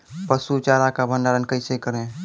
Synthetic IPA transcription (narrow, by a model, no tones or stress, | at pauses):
pəsut͡ʃaɾakabʱəndaɾənkəɪsekəɾẽ